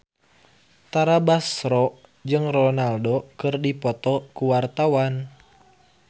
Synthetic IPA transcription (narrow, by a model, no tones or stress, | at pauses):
t̪aɾabasɾɔ | d͡ʒɨŋrɔnaldokɨrdipɔt̪ɔkuwart̪awan